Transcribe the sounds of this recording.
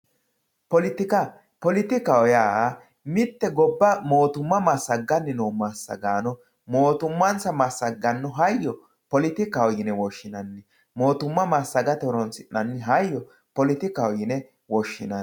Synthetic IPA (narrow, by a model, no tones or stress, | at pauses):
pɔlɪt̪ɪkɐ | pɔlɪt̪ɪkɐɔjaː | mɪt̪ːɛɡɔbːɐmoːt̪ʊmːɐmɐsːɐɡːɐnːɪnoːmasːɐ̰ɡaːnɔ | moːt̪ʊmːɐnsɐmɐsːɐɡːɐnːɔɦɐjːɔ | pɔlɪt̪ɪkɐwɔjɪnɛwɔʃːɪnɐnːɪ | moːt̪ʊmːɐmasːɐɡɐt̪ɔɾɔnsɪnːɐnːɪɦɐjːɔ | pɔlɪt̪ɪkɐwɔjɪnɛ | wɔʃːɪnɐ